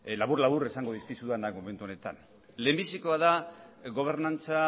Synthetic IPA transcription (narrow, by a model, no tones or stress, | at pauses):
laβurlaβuɾesaŋɡo̞ð̞iskisuðanakmome̞nt̪uo̞ne̞t̪a̰n | le̞ːmbisikoaðaɣo̞β̞e̞ɾnant͡sa